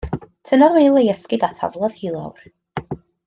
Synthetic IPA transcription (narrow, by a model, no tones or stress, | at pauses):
tʰənɔðwelˠejɛskɪɡaθa̰vlˠɔð̥hilˠa̰wr